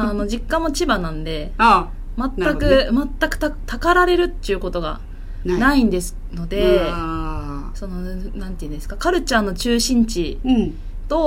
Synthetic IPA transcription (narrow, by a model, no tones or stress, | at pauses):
ano̞ʑikːãmːo̞t͡ɕibanãnd̪e̞ | mat̪ːakɯ̟mat̪ːakɯ̟t̪at̪akaɾaɾe̞ɾɯ̟t̪ːeiɯ̟ko̞t̪o̞ɡa̰ | naĩnd̪e̞sɨ̥ | no̞d̪e̞ | so̞no̞nãnt̪eɯ̃nd̪esɨ̥kakaɾɯ̟t͡ɕanːo̞t͡ɕɨːɕĩɲ̟t͡ɕi | t̪o̞